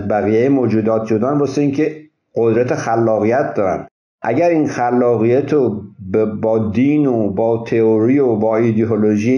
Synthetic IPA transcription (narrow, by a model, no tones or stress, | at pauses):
zbæɣiːjejemoːd͡ʒuːd̪ɒːt̪̚ʰd͡ʒod̪ɒːnboːseiːŋkʰe | ɢo̞d̪ɾæt̪ʰexælːɒːɣijæt̪̚ʰd̪ɒːɾæ̰n | ʔæ̰ɟæɾiːnxælːɒːɣijæt̪ʰobbɒːd̪iːnobɒːt̪ʰeoɾiobɒːid̪eoloʒij